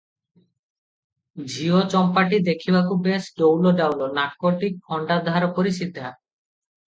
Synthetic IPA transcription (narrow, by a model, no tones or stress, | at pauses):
d͡ʑʱiot͡ɕɔmpaʈid̪ekʰibakubesɖowloɖawlonaʈkoʈikkʰːɔɳɖad̪ʱaɾopoɾiʃid̪ʱːa